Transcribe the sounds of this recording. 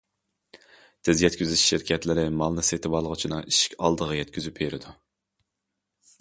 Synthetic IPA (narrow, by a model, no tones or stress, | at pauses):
t̪ʰɪzjɛt̪kʲyzyʃʃɪɾkʲʰɛt̪lɪɾɪmɑlˠnɨset̪ʰɪbɑlˠəʁət͡ʃʰinɨŋiʃi̥kʲɑ̰lˠd̪əʁɑjɛt̪̚kʲyzypʰeɾɪd̪u